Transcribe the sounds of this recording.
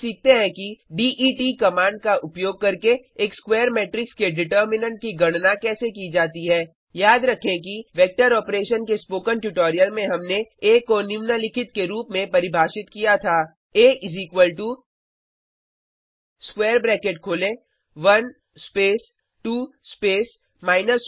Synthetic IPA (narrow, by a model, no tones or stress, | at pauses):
siːk̚ʰt̪eɦɛ̃kiɖiːʔiːʈikɐmãːɳɖ̚kaʔʊpjoːɡ̚kɐɾkeeːkskweːəɾmeːʈɾɪkskeɖɪʈəːɾmɪnə̃ɳʈ̚kiɡɐɽ̃nakɛːsekid͡ʒaːt̪iɦɛː | jaːd̪ɾɐkʰẽk̬iʋɛːk̚ʈəɾɔːpɾeːʃənkespoːkənʈjuʈoːɾijəlmẽɦɐmneeːkɔnɪʋnalɪkʰɪt̪̚keɾuːpmẽpɐɾɪbʱaːʃɪt̪kijat̪ʰaː | eːʔɪziːkwəlʈu | skweːɾbɾɛːkeːʈ̚kʰoːlẽ | ʋɐn | speːs | ʈuːspeːs | maːɪnəs